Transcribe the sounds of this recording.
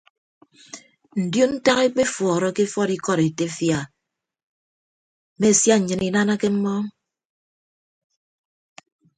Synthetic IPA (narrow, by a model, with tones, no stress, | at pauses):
n̩˨djo˦n̩˦ta˦ɣe˦k͡pe˦fɔː˨ɾɔ˦ke˦fɔ˦ɾi˦kɔ˦ɾe˨te˦fja˨ | me˦˨sja˦˨ɲɨ˨ni˨na˦na˦ke˦m̩˦mɔ˦ŋ